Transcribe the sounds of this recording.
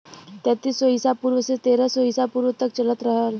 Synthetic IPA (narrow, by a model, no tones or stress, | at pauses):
t̪ɛ̃ːt̪iːsːɔɦisapuːɾwəset̪eːɾəsɔɦisapuːɾʋət̪ɐkt͡ʃələt̪ɾəɦəl